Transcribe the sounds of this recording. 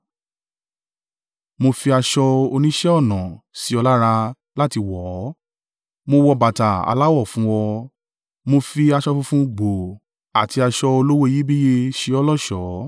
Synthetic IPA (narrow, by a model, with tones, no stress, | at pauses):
mo˧fi˧a˧ʃɔ˧o˧nĩ˦ʃɛ˦ɔ˦˨nã˨si˨˦ɔ˧la˦ɾa˧ | la˦ti˧wɔː˨˦ | mo˧wɔ˧ba˨ta˨a̰˧la˦wɔ˦˨fũ˨˦wɔ˧ | mo˧fi˧a˧ʃɔ˧fũ˧fũ˦ɡ͡bo˨ | a̰˨ti˧a˧ʃɔ˧o˧lo˦wo˦˧ji˦bi˦je˧ʃe˧ɔ˧lɔ˦˨ʃɔ˨˦